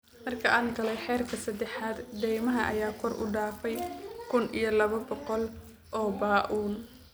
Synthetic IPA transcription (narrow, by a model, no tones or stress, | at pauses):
mɐrkʰɐʔaːŋɡɐlɛjħɛːrkʰɐsɐd̪ɛħaːd̪d̪ɛjmɐɦɐʔɐ̰jaːkʰɔrʊ̰ɖaːfɛjkʰʊnḭjɞlɐβɐbɔqɔl | ʔɔːbaːʔuːn